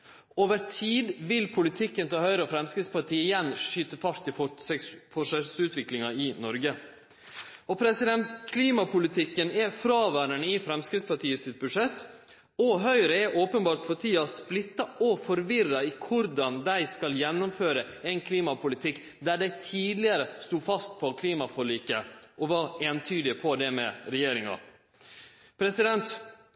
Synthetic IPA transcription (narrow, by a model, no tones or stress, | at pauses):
oːʋəɾt̪ʰiːd̪ʋɪlpʰʊlɪt̪ʰɪkːənt̪ʰɛhœʏɾəɔfɾɛmskɾɪt̪spʰɑʈiːəɪjɛnːʂʂyːt̪əfɑɾt̪ːɪ | fɔʂɛsʉːt̪ʋɪklɪŋɑɪnɔɾɡə | ɔpʰɾɛsɪd̪ɛnt̪kʰliːmɑpʊlɪt̪ʰɪkːənɛfɾɑːʋæːɾəɳəɪfɾɛmskɾɪt̪spɑʈiːəsɪt̪̚bʉdʂɛt̪ː | ɔɦœʏɾəɛʔoːpənbɑːɾʈ̪pʰɔtʰiːɑsplɪt̪ːɑɔfɔɾʋɪrɑikʰʊɾd̪ɑnd̪æɪskɑljɛnːʊmføːɾə | ɛɪnkʰliːmɑpʰʊlɪt̪ʰɪkː | d̪æːɖæɪt̪ʰiːd̪lɪəɾəst̪uːfɑst̪̚pʰɔkʰliːmɑfɔɭiːkəʔɔʋɑɾeːnt̪ʰyːd̪ɪpʰɔd̪ɛmɛ̰ɾɛjeːɾɪŋɑ̰ | pʰɾɛsɪd̪ɛnt̪